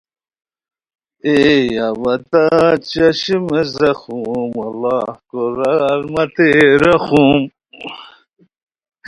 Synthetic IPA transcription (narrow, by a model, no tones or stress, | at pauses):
ejawɐt̪at͡ɕɐɕimezɐxumɐlːɑːhkoɾaɾmɐt̪eɾɐxum